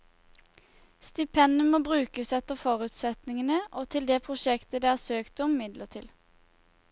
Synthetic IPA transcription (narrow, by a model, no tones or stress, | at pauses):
st̪ɪpʰɛnəmoːbʁʉːkəsɛt̪əfɔʁʉːt̪sɛt̪nɪŋənəʔoːt̪ʰɪld̪eːpʰʁʊʃɛkt̪əd̪ɛːæːsøːkt̪əʊmmɪd̪lət̪ʰɪl